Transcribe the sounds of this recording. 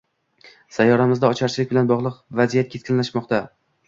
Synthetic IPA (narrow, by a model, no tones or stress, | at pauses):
sajːɒɾamɪzd̪aɒt͡ʃʰaɾt͡ʃʰlɪk̚ʲbɪlanbɒʁlˠɨqvazijat̪̚kʲʰe̞skʰʲɪnlaʃmɒqt̪a